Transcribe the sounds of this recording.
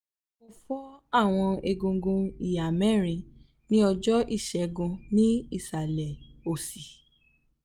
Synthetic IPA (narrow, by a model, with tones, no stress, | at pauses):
mo˧fɔ˦a˦˨w̃ɔ̃˧e˧ɡõ˧ɡõ˧i˨a˨mɛ˦˨ɾ̃ĩ˨˧ | nĩ˦ɔ˧d͡ʒɔ˦ʔi˦˨ʃɛ˨˧ɡũ˧nĩ˦i˦˨sa˨lɛ˨o˨si˨